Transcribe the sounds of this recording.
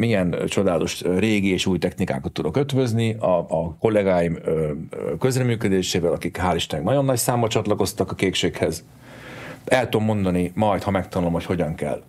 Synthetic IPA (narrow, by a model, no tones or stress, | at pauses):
mijɛnt͡ʃo̞d̪aːlɒt̪o̞ʃreːɡieːʃuːjt̪ɛxnika̰ːkɒt̪ːud̪o̞køt̪ʋø̞zniɒko̞lːɛɡaːjimøkø̞zrɛmyːkød̪eːʃeːvɛlɒkikɦaːliʃt̪nɛɡnɒɟo̞nːɒcsaːmbɒt͡ʃɒt̪lɒko̞st̪ɒkɒkeːkʃeːkhɛz | ɛlt̪ud̪omːo̞nd̪ɒnimɒjt̪hɒmɛk̚t̪ɒnulo̞mho̞cho̞ɟɒŋkɛ̰l